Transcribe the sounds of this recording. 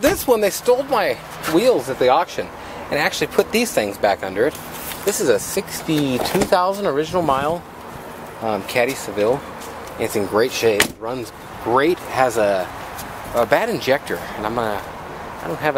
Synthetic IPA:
ðɪswə̃nðeɪstoʊlˠd̚maɪ | wilˠzɨt̪̚ðiɑkʃɨ̃n | ɨ̃næk̚t͡ʃʉl̩ˠipʰʊt̪̚ðiz̥θɪ̃ŋzbækʌ̃ndə˞ɨt̪̚ | ðɪsɨzɨsɪkstitʰʉθaʊzə̃n̩də˞ɪd͡ʒɨnl̩ˠmaɪlˠ | mkʰæɾisɨvɪlˠ | ɨ̃ɨtsɨ̃n̩ɡɹeɪtʃeɪɨt̚ɹʌ̃nz | ɡ̥ɹeɪt̚ɨzɨ | əbæɾɨ̃nd͡ʒɛk̚tʰə̰˞ɨ̃nãɪ̃mʌnə | aɪdõʊ̃nɦɨv

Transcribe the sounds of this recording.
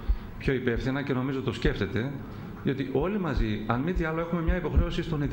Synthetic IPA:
pço̞ipe̞fθinɐce̞no̞mizot̪o̞sce̞ft̪e̞t̪e̞ | ðio̞t̪iʔo̞limɐziɐnmit̪iɐlo̞e̞xume̞mɲɐipo̞xɾe̞osist̪o̞nit̪

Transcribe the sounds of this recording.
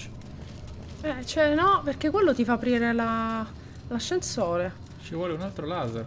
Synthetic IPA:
ɛt͡ʃɛnɔperk̟ekːwelːot̪ifaːpːɾiːɾela | laʃːensoːɾe | t͡ʃivwɔːleunalt̪ɾolaːzer

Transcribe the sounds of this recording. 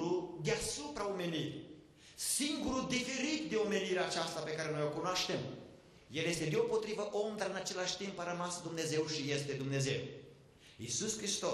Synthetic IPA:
ɾud̪easupɾaomeniɾʲ | siŋɡuɾud̪ifeɾit̪̚d̪eomeniɾeat͡ʃast̪apekaɾenojokunoaʃt̪em | jeljest̪e̞d̪eo̞pot̪ɾivəʔond̪ɾaɨnat͡ʃe̞laʃt̪impaɾəmasəd̪umnezewʃijest̪ed̪umnezew | isuskɾist̪o

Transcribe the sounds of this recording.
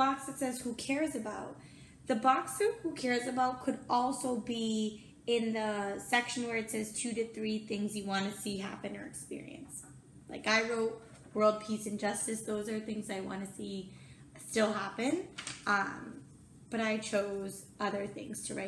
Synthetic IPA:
bɑksɨtsɛz̥hukʰɛɹzɨbaʊt̚ | ðɨbɑksɨhukʰɛɹzɨbaʊt̚kʰɨɾɔlˠsoʊbi | ɪ̃nðəsɛkʃɨ̃n̩wə˞ɨtsɛz̥tʰʉɾɨθɹiθɪ̃ŋzjɨwɑ̃nɨsiɦæ̰pɨ̃nə̰˞ɨkspɪ̰ɹḭɨ̰̃ns | la̰ɪkaɪɹoʊt̚ | wɜ˞lˠd̚pʰisɨ̃nd͡ʒʌstɨsðoʊzə˞θɪ̃ŋzaɪwɑ̰̃nɨsi | stɪlˠɦæpɨ̃nʔʌ̃m | b̥ʌɾaɪt͡ʃʰoʊz | ʌðə˞θɪ̰̃ŋz̥tʰɨɹa̰ɪ

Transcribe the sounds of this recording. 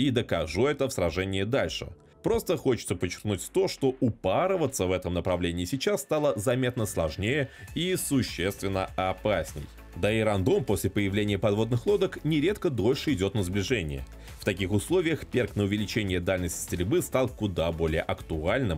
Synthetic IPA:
id̪əkɐʐuɛt̪əfsɾɐʐɛnʲɪjːd̪alʲʂɨ̰ | pɾo̞st̪əxo̞t͡ɕɪ̥t̪səpət͡ɕːɪ̥rknutʲt̪o̞ʂt̪o̞ʔʊpaɾəvət̪səvɛt̪əmnəpɾɐvlʲenʲɪːsʲɪt͡ɕasːt̪alˠəzɐmʲe̞t̪nəslˠɐʐnʲejəisʊɕːe̞st̪vʲɪnːəɐpasʲnʲɪ̰j | d̪əɪɾɐnd̪o̞mpo̞sʲlʲɪpəjɪvlʲenʲɪjəpɐd̪vo̞d̪nɨxlˠo̞d̪əknʲɪɾʲet̪kəd̪o̞lʲʂɨɪdʲo̞t̪nəzblʲɪʐɛnʲɪ̰jə̰ | ft̪ɐkʲixʊslˠovʲɪjəxpʲerknəʊvʲɪlʲɪt͡ɕenʲɪjəd̪alʲnəsʲtʲsʲt̪ɾʲɪlʲbɨst̪alˠkʊd̪abo̞lʲɪjəʔɐkt̪ʊalʲnɨm

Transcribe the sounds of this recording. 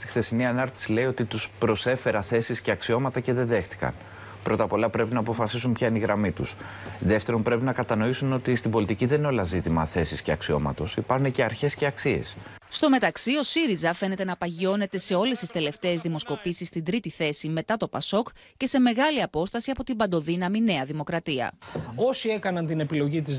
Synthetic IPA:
st̪i̥xθe̞siniɐnɐɾt̪i̥sileio̞t̪it̪uspɾo̞se̞fe̞ɾɐθe̞sisceɐksio̞mɐt̪ɐce̞ðeðe̞xt̪i̥kɐ̰n | pɾo̞t̪ɐpo̞lɐpɾe̞pinɐːpofɐsisumpçɐniɣɾɐmit̪usðe̞ft̪e̞ɾo̞mpɾe̞pinɐkɐt̪ɐno̞isuno̞t̪ist̪ibo̞lit̪iciðenino̞lɐzit̪imɐθe̞sisce̞ɐksio̞̰mɐ̰t̪o̞sipɐɾxunece̞ɐɾçe̞sce̞ɐksie̞̰s | st̪o̞me̞t̪ɐksio̞siɾizɐfe̞ne̞t̪e̞nɐpɐʝio̞ne̞t̪e̞se̞o̞le̞st̪ist̪e̞le̞ft̪e̞ːzðimo̞sko̞pisist̪ind̪ɾit̪iθe̞sime̞t̪ɐt̪o̞pɐso̞k | ce̞se̞me̞ɣɐliɐpo̞st̪ɐsiɐpo̞t̪ibɐnd̪o̞ðinɐmine̞ɐðimo̞kɾɐt̪iɐ̰o̞sie̞kɐnɐnt̪ine̞pilo̞ʝit̪iz

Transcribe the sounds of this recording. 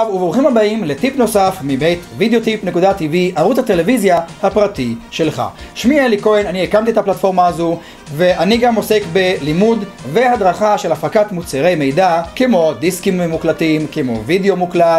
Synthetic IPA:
vuvoχimhabaimlet̪ipno̞safmibejt̪vid̪eo̞t̪ipne̞kudat̪iviʔaʁut͡shat̪e̞le̞vizjahapʁatiʃelχa̰ʃmieliko̞enaniekamt̪iethaplatfo̞ʁmaːzu | ve̞ʔaniɡamo̞se̞kbe̞limud | vehad̪ʁaχaʃelafʁakat̪mut͡seʁe̞jmejdakemo̞d̪iskimemuklatimkemo̞̰video̞muklat

